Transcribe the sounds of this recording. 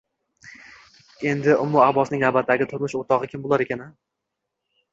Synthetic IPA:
e̞nd̪ɪʔʊmːʊahbɒsnɪŋnabat̪ʰːaɡʲɪt̪ʰʊɾmʊʃot̪ʰɒʁɨkʲʰɪmbolˠaɾekʲana

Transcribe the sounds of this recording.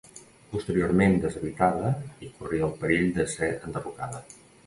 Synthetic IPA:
pust̪əɾijoɾmend̪əzəβit̪aðəikuriəlˠpəɾiʎd̪əseənd̪ərukaðə

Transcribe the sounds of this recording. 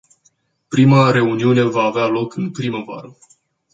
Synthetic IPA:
pɾimaɾe̞uniune̞vaːvealo̞kɨnpɾiməva̰ɾə

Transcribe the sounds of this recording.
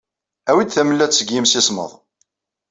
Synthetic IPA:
æwid̪θæməlːæt͡sːsːəɡjimsisˤmə̰ðˤ

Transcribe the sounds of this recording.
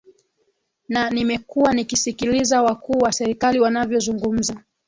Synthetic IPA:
nanimɛkuwanikisikilizawakuːwasɛɾikaliwanavjɔzuŋɡum̩za

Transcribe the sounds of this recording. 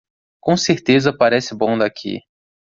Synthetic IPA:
kõseɾt̪ezɐpaɾɛsɪbõw̃d̪akʰḭ

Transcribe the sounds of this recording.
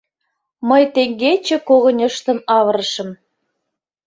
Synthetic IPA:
məjt̪eŋɡet͡ɕĕkoɣə̆nʲɤʃt̪ə̆nɑvəɾəʃə̆m

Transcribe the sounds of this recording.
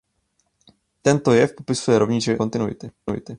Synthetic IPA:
t̪ɛnt̪ojɛfpopɪsujɛɾovɲit͡ʃɛkont̪ɪnuɪ̰t̪ɪuɪ̰t̪ɪ

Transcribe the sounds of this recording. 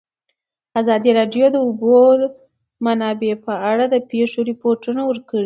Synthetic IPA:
azɑd̪iɾɑɖjod̪əʊbod̪ | manɑbepəaɽad̪əpeʂoɾɪpoɾʈunawəɾkəɽi

